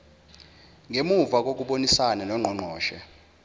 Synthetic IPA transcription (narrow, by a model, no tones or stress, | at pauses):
ŋɡʱemuvak̬ʼok̬uɓonisanalɔŋ͡ǃʱɔŋ͡ǃʱɔːʃɛ̰